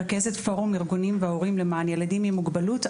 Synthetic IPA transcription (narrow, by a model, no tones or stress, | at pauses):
ʁke̞zetfo̞ʁumiʁɡunimveaoʁimlemanje̞ladimimuɡbalut